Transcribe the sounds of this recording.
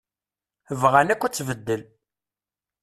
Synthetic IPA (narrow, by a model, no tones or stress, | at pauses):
əvʁænækʷːæt͡sːvəd̪ːəl